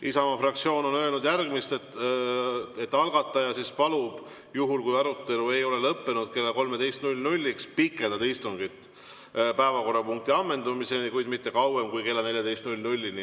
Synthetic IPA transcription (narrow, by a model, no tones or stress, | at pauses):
ʔisɑmɑfrɑkt̪sio̞ːno̞nø̞lnud̪jærɡ̥mist̪et̪ː | et̪ːɑlɡɑt̪ːˑɑjɑsispɑlub̥ | juɦulkujɑɾut̪ːe̞lue̞jo̞le̞lɤpːe̞nud̪̥ke̞lːɑko̞lme̞d̪e̞jst̪nulʲnulʲːikspikːˑe̞ld̪ɑd̪ist̪uŋɡit̪ːˑ | pæevɑko̞rːɑpuŋk̚t̪iɑmːe̞nd̪umise̞nikujd̪mit̪ːe̞kɑwe̞mkujke̞lːɑne̞lʲjɑd̪e̞jst̪nulʲnulʲːini